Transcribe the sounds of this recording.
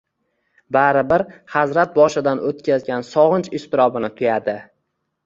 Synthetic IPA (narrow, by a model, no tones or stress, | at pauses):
baɾɪbɪɾhazɾat̪̚bɒʃɪd̪anot̪̚kʲʰazɡʲansɒʁɨnt͡ʃɪʃt̪ɪɾɒbɪnɪt̪ʰʊjad̪ɪ